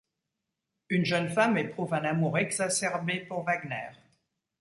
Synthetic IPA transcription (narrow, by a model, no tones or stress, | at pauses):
ynʒənfamepχuvɛ̃namuʁɛɡzasɛʁbepuʁvaɡnɛːʁ